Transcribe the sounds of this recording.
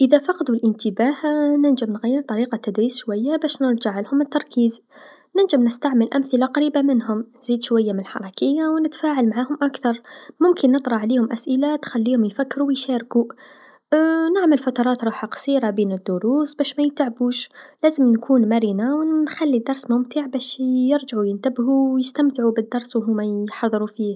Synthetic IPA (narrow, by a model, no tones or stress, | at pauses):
ʔəðæfɑqd̪ulʔənt̪əbahnənʒəmnɣæjːəɾt̪ˤɑɾiqɑt̪ːad̪ɾiːsʃwæjːabæʃnəɾˤʒaʕalhʊmət̪ːɑɾˤkiːz | nənʒəmnəst̪aʕməlʔæmθəlaqɑɾiːbamənɦʊmziːd̪ʃwæjːamənəlħɑ̰ɾˤɑkəjːawnət̪faʕalmaʕahʊmʔakθɑɾˤmʊmkənːət̪ˤɾˤɑʕlihʊmʔæsʔɪlat̪xælːiːhʊmjfakːɾuwjʃæɾku | nɪʕməlfɑt̪ɑɾˤɑːt̪ɾˤuːħaqɑ̥sˤiːɾabiːnəd̪ːʊɾuːsbæːʃmæjət̪aʕbuːʃlæːzəmnkʰuːnmæɾiːnawnxælːid̪ːɑɾˤsmʊmt̪əʕbæːʃjəɾʒʕujənt̪abhuwjəst̪amt̪ʕubəd̪ːɑɾˤswɦuːmajħɑðˤɾufiːh